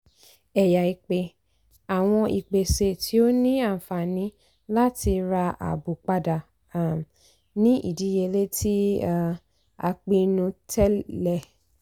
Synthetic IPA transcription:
ɛ˨ja˨i˨k͡pe˨ | a˨w̃ɔ̃˧ʔḭ˨k͡pe˨se˨tʰi˨˦o˦nĩ˦a˦˨fa˨nĩ˨˦ | la˦ti˧ɾa˧a̰˨bu˨k͡pa˧da˨˦˨ | nĩ˦ʔḭ˦˨di˨˦je˧le˦tʰi˦˨ | a̰˧k͡pi˧nũ˧tɛ˦lɛ˦˨

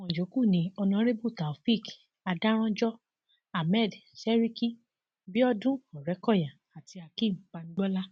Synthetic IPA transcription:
mɔ̃˨d͡ʒo˨˦ku˦˨nĩ˧ɔ˧nã˧˦ɾe˦bu˦˨ta˨fi˦˨k | a˧da˦ɾ̃ã˦d͡ʒɔ˦ | a˨mɛ˦˨dsɛ˦ɾi˦ki˦ | bi˦ɔ˦dũ˦ɔ˨ɾɛ˨˦kɔ˦˨ja˨ | a˨ti˧a˧kĩ˦˨k͡pa˧n̩˦ɡ͡bɔ˦la˦

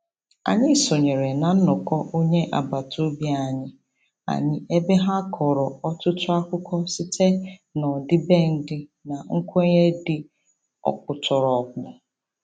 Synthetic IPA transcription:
a̰˨ɲɪ˦so˨ɲe˨ɾe˨na˨n̩˦nʊ˨kɔ˦ʔo˦ɲe˦ʔa̰˨ba˨to˦bja˦˨ɲɪ˦ | a̰˨ɲɪ˦ʔe˦be˦ɦa˦kʰɔ˨ɾɔ˨ɔ˦tʊ˦tʊ˦a˦kʷʊ˦kʰɔ˦sɪ˦tʰe˦nɔ˨dɪ˦be˦n̩˦dɪ˦na˨ŋ̩˦kʷe˦ɲe˦dɪ˦ | ɔ̰˨kʊ˨tʰɔ˨ɾɔ˨k̚ʊ˨

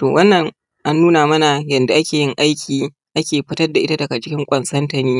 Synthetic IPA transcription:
toː˨wɐ˦nːɐ˨ŋ | ʔa˦nːuː˦naː˨mɐ˦na˨jɐ˨nda˨ʔa˦kʲeː˨jɪ˦ŋʔa˦jkʲʰiː˨ | ʔa˦kʲeː˨ɸɪ˦tɐ˦rda˨ʔɪ˦ta˦dɐ˨ɡa˨t͡ʃɪ˦kʲɪ˦ŋkʷʼɐ˨nsɐ˦ntɐ˨niː˦

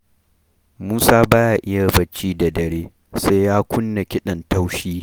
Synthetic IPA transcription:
muː˦saː˦baː˦ja˨ʔɪ˦ja˨bɐ˦t͡ʃːiː˦da˨dɐ˨ɾeː˦ | sa˦jjaː˦kʷʊ˦nːa˨kʲɪ˦ɗɐ˨nta˦wʃiː˦

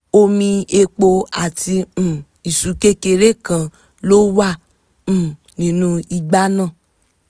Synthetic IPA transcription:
o˧mĩ˧e˧k͡po˧a˨tĩ˧˨ | i˨su˨˦ke˦ke˧ɾe˦kã˧˨ | lo˦wã˦˨ | nĩ˨˦nũ˧i˧ɡ͡ba˦nã˦˨

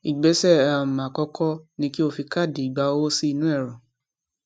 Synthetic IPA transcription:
i˨ɡ͡bɛ˨˦sɛ˦˨a˨mã˨kɔ˧kʰɔ˦nĩ˧ki˦o˧fi˧ka˦˨di˨i˨ɡ͡ba˨˧wo˦si˦˧nũ˦ɛ˦˨ɾɔ̃˨

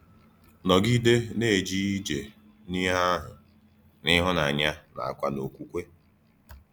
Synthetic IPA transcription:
nɔ˨ɡi˦de˦ne˦˨e˨d͡ʒi˦i˦d͡ʒe˨ | ni˦ɦa˦ɦʊ˨ | nɪ˦ɦʊ˦na˨a˨ɲa˦na̰˨a̰˨kʷa˦no˨kʷu˦kʷe˦

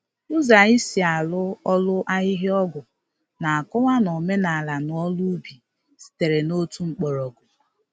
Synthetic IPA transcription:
ʊ˦za˨i˦si˨a˨lʊ˦ɔ˦lʊ˦ʔa˦ɦɪ˦ɦɪ˦ɔ˦ɡʊ˨ | na˨a˨kʊ˦ŋʷa˦no˨me˦na˨la˨nʊ˨ɔ˦lu˦bi˨ | si̥˨te˨ɾe˨no˦tu˦ŋ͡m̩˨k͡pɔ˨ɾɔ˨ɡʊ˨

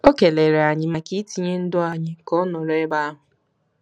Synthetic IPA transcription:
o˦ke˨le˨ɾe˨a˨ɲɪ˨ma˨ki˦ti˨ɲe˦n̩˦dʊ˦a˨ɲɪ˨kɔ˦nɔ˨le˦ba˦a˦ɦʊ˨

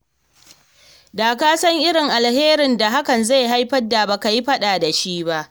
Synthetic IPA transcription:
daː˨kaː˦sɐ˦ŋʔɪ˦ɾɪ˨ŋʔa˨lheː˦ɾɪ˨nda˨ɦa˦kɐ˨nza˦˨jɦa˦jɸɐ˦dːa˨bɐ˨ka˨ji˦ɸɐ˦ɗaː˨da˨ʃiː˦ba˦ʔ

